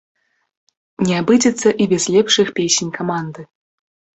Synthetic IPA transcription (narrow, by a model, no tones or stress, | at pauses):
nʲɛabɨd͡zʲɛt̪sːɐʔibʲɛzʲlʲɛpʂɨxpʲesʲnʲkamand̪ɨ